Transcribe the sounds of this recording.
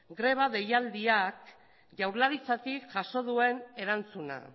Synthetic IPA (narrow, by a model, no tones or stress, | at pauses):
ɡɾe̞β̞aðe̞jald̪iak̚ | ʝawɾlaɾit͡sat̪ikʝaso̞ðue̞ne̞ɾant͡suna̰